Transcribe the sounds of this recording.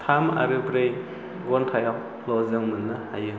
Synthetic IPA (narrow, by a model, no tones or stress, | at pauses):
t̪ʰama̰ɾɯpɾej | ɡɔntʰaja | lɔzɯŋmɯnːɯhajɯ